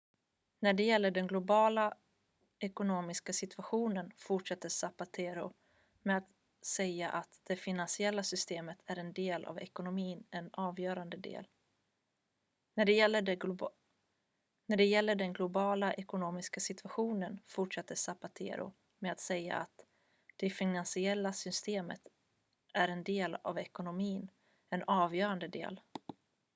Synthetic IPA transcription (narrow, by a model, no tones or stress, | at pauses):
næɖɛjɛlːəɖɛnɡlʊbɑːla | ɛkʊnoːmɪskasɪt̪ʰv̥aɧuːnənfʊʈʂɛt̪ːəsapat̪ʰeːɾʊ̰ | mɛat̪ | sɛjːaʔat̪d̪̥ɛfɪnansɪɛlːasʏst̪eːmət̪ʰæɾɛnd̪eːlʔa̰vɛ̰kʊnʊmiːnɛnɑːvjœːɾand̪əd̪ḛːl | næɖɛɛlːə | næɖɛjɛlːəɖɛnɡlʊbɑːlaʔɛkʊnoːmɪskasɪt̪ʰɵ̥vaɧuːnənfʊʈʂɛt̪ːəsabat̪ʰḛːɾʊ̰ | mɛat̪sɛjːa̰at̪ | d̪̥ɛfɪnansɪɛlːasʏst̪eːmə̰t̪ | æɾɛnd̪eːla̰vɛkʊnʊmiːn | ɛnɑːvjœːɾand̪əd̪ḛːl